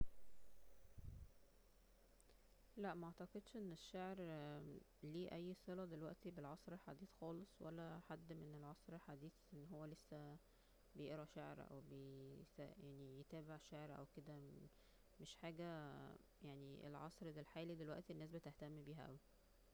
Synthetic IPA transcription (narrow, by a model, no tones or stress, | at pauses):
læʔmæʔʕt̪ɑqed̪ʃʔenːeʃːaʕɾ | liːʔæjːsˤelɑd̪elwæʔt̪ibelʕɑsˤɾiħad̪iːθxɑːlesˤwælːæħad̪ːmenelʕɑsˤɾħad̪iːθʔenːɦowːælesːæ | bejeʔɾɑʃaʕɾʔæ̰wbeæjaʕnijet̪æːbeʕʃaʕɾʔæ̰wked̪æ | meʃħaːɡæ | jaʕniḛlʕɑ̰sˤɾd̪elħaːlid̪elwæʔt̪ienːæːs̬bet̪eht̪æmːbiːɦæ̰ʔæ̰wi